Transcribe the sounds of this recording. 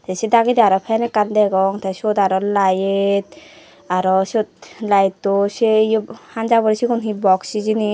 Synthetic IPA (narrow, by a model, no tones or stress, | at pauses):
t̪ased̪aɡid̪iaɾɔpʰɛnekand̪ɛɡɔŋt̪aʃod̪aɾɔlajet̪̚ | aɾɔʃot̪̚lajt̪ːoʃejhand͡ʒabɔɾisikunɦibɔksid͡ʒini